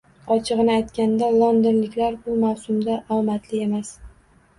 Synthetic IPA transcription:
ɒt͡ʃʰɨʁɨnɪajt̪kʲand̪alˠɒnd̪ɪnlɪkʲlaɾbʊmawsʊmd̪aʔɒwmat̪lɪe̞mas

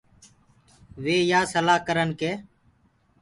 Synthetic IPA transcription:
ʋeːjaːsəlaːɦkəɾənkeː

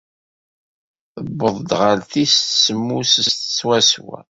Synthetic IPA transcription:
θəbːəðˤd̪ʁəlθist̪səmːusəst̪t͡sːwæswæ̰

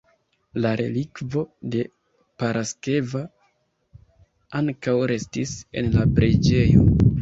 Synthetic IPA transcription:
laɾe̞̰likvo̞de̞ | paɾʔaske̞va | aŋkawɾe̞stise̞̰nlapɾed͡ʒe̞jo̞̰

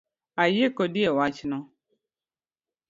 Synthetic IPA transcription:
ajekodiewat͡ʃɪnɔ

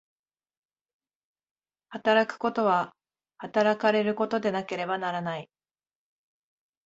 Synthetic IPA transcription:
hat̪aɾakɯ̟̥ko̞t̪o̞β̞a | hat̪aɾakaɾe̞ɾɯ̟ko̞t̪o̞d̪e̞nake̞ɾe̞banaɾanai

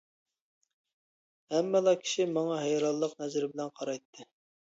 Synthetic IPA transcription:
hɛmːɛlˠɑkʲʰi̥ʃimɑŋɑɦɛjɾɑlˠːəq̚nɛzɾɪbɪlɛnqʰɑɾɑjt̪ʰːɨ

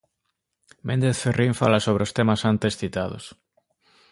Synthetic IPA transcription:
mʔẽnd̪eθferiɱfalasoβ̞ɾeost̪emasant̪esθit̪aðʊ̰s

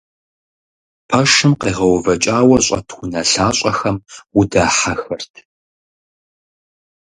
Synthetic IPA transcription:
pʰɐʂɨmqeːʁɐwvɐt͡ʃʼaːwɐɕʼɐ̰tʰxʷʊnɐɬaːɕʼɐxɐmwʊdaːħaxɐrtʰ

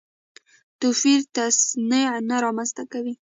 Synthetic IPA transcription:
t̪ʊfiɾt̪asnenaɾɑmanst̪akawi

